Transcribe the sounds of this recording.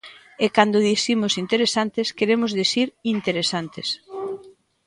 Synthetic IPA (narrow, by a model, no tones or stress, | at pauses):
ekand̪ʊðisimʊsint̪eɾesant̪eskeɾemʊzðisiɾint̪eɾesant̪es